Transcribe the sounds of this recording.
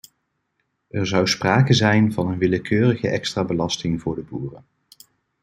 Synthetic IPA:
ʔɛɹzʌwspraːkəzɛjnvɑnənʋɪləkʰøːrəχəʔɛkstraːbəlɑstɪŋvʊːɹdəbuːrən

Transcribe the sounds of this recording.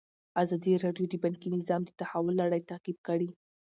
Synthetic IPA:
azɑd̪iɾɑɖjod̪əbankinɪzɑmd̪ət̪ahawʊlːaɽajt̪aqib̚kaɽi

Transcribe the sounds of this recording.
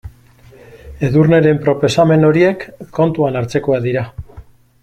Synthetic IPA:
e̞ðurne̞ɾe̞mpɾo̞po̞same̞no̞ɾie̞kʰːo̞nt̪uanaɾt͡se̞ko̞aðiɾa

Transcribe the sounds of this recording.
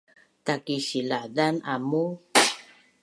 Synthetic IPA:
takiɕiladanamu

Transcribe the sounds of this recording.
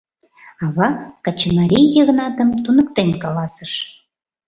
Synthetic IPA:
ɑβɑkɑt͡ɕəmɑɾʲijə̆ɣənɑt̪ə̆mt̪unə̆kt̪enʲkɑlɑsə̆ʃ

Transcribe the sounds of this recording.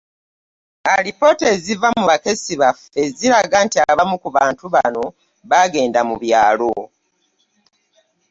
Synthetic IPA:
aɾipo̞te̞zivamuβake̞siβafe̞ziɾaɡaːntiaβamukuβaːntuβa̰no̞ | βaɡe̞ːndamuβjaːlo̞

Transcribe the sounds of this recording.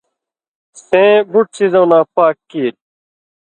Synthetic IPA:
sẽːbʱuʈ̚sizõwnãːpaːkːiːɾ

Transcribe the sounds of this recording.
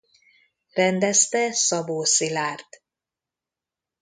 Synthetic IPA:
rɛnd̪ɛst̪ɛsɒboːsilaːrt̪

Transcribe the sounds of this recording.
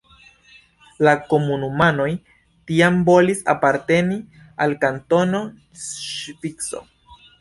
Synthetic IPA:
lako̞munumano̞j | tiambo̞lisa̰paɾte̞ni | alkanto̞no̞ | ʃpikso̞̰

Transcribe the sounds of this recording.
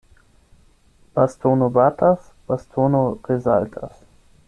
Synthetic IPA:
b̥astʰoːnobatʰas | b̥astʰoːnoʁezaltʰas

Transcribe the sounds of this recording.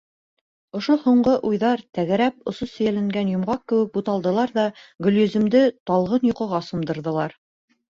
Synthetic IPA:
ŏʃohuɴɢɤʔujðɑɾt̪æɣæɾæpŏsosɵ̆jælæŋɡænjŏmʁɑq̚kɘ̆wɘk̚but̪ɑlˠd̪ɤ̆lˠɑɾðɑɡɵ̆lʲjɵ̆zɘ̆md̪ɘt̪ɑlˠʁɤnjŏqɤ̆ʁɑsŏmd̪ɤ̆ɾðɤ̆lˠɑɾ

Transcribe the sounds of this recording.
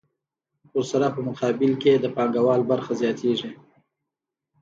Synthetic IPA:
wʊɾsaɾapəmʊqʰɑbɪlked̪əpɑŋɡawɑlbaɾxazjɑt̪ʰeʐi

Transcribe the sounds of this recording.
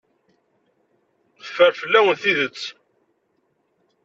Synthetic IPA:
θə̥fəɾfəlːæwənθiðət͡sː

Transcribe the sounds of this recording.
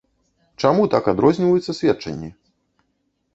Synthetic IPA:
t͡ʂamut̪akad̪ɾɔzʲnʲivɐjut̪sːɐsʲvʲɛt͡ʂɐ̰nʲːi

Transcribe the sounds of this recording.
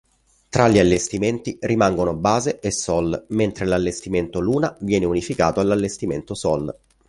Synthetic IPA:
t̪ɾaʎialːest̪iment̪irimaŋɡonobːaːzeʔesːɔlment̪ɾelalːest̪iment̪oluːnavjɛːneunifika̰ːt̪oalːalːest̪iment̪osɔl

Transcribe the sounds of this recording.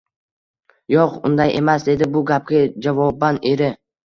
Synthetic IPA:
joqʊnd̪ajʔe̞̰masd̪e̞d̪ɪbʊɡʲap̚ɡʲad͡ʒavɒbane̞ɾɪ

